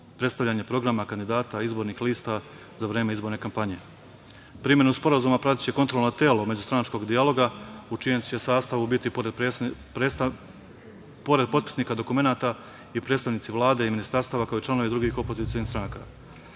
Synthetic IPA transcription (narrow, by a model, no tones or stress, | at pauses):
pɾet̪st̪aʋʎaːɲe̞pɾo̞ɡɾamakand̪id̪aːt̪aizbo̞ːɾnixliːst̪a | zaʋɾeːme̞izbo̞ɾne̞kampaɲe̞ | pɾimjenuspo̞ɾazuːmapɾat̪it̪t͡ɕe̞ko̞nt̪ɾolno̞t̪e̞ːlo̞me̞d͡ʑust̪ɾanat͡ʃko̞ɡd̪ialo̞ɡaut͡ʃijemesaːst̪aʋubit̪ipoɾepɾ | po̞ɾed̪̚po̞d̪̚pi̥sniːkad̪o̞kume̞naːt̪a | ipɾe̞d̪st̪aʋnit̪iʋlˠaːd̪e̞iminist̪aɾst̪aːʋakao̞it͡ʃlˠano̞ʋid̪ɾuɡiːxo̞pozit̪ijonihst̪ɾanaka̰